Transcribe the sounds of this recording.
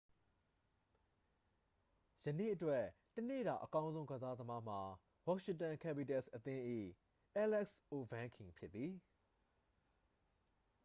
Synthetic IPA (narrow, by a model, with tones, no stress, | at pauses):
jənḛ˦˨ʔətwɛ˦˨ | tənḛ˦˨ɾa̰˨ʔəkã˦ʊ̃nzõ˦ʊ̃ɡa˨za˦d̪əma˦m̥a˨ | wa˦ʔʃɪ̃˨tã˨kʰɛ˦˨bi˨tɛ˦˨sʔət̪ɪ̃˦ʔḭ˦˨ | ʔɛ˦lɛ˦ksʔo˨bã˦kʰɪ̃˨pʰjɪ˦t̪t̪ːði˨